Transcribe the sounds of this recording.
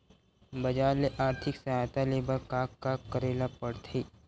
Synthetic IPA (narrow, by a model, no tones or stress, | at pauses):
bɐd͡ʒaːleʔaːɾt̪ʰɪksɐɦaːjt̪aleːbəɾkaːkːaːkːəɾeːlapəɽt̪ʰiː